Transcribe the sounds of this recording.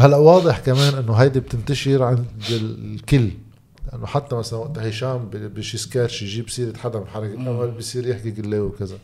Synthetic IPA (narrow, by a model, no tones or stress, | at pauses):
halːaʔwɑːd̪ˤɨħkameːnʔɪnːoɦajd̪ib̚t̪ɪnt̪aʃɪɾʕand̪ɪlkɪlː | lɪʔanːoħat̪ːamasalanwaʔt̪hɪʃaːmbbeːʃjɪskaːɾʃjʒiːbsiːɾɪt̪ħad̪amɪħɑɾˤːɑkɪllʔawːalbjsˤiːɾjɪħkikɪlːeːwkɪza